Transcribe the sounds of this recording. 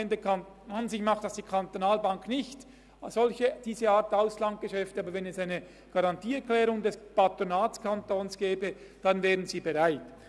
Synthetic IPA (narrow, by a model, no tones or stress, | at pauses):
ndəkʰan | anzɪçmaχtd̥asd̥iːkʰantonaːlbaŋknɪçt | z̥ɔlçəd̥iːzəaːɐtaʊslaŋt̚ɡ̥əʃɛftəaːbəɾvɛnɛsaɪnə | ɡ̥aʁɑntiːɛklɛːʁʊŋdɛspatʁonaːtkʰantoːnsɡ̥ɛːbə | d̥anvɛːʁənziːbeʁaɪt